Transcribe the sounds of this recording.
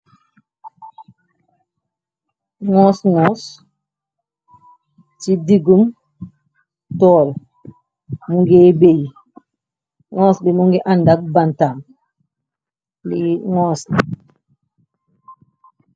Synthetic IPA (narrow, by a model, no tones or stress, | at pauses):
ŋɔ̃ːsŋɔs | tidiɡum | tɔːl | muŋɡebej | ŋɔːsbimuŋɡɛʔandak̚bantam | liŋɔːsli